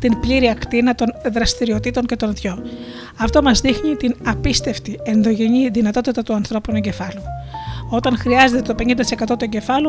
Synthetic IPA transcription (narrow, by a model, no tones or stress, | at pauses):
t̪inpliɾiɐkt̪inɐt̪o̞nðɾɐst̪iɾio̞t̪it̪o̞ɲce̞t̪o̞nt̪ço̞ | ɐft̪o̞mɐzðixnit̪inɐpist̪e̞ft̪ie̞nðo̞ʝeɲiðinɐt̪o̞t̪it̪ɐt̪uɐnθɾo̞punoɲɟe̞fɐluo̞t̪ɐnxɾiɐze̞t̪et̪o̞pe̞ɲind̪ɐt̪i̥se̞kɐt̪o̞t̪oɲɟe̞fɐlu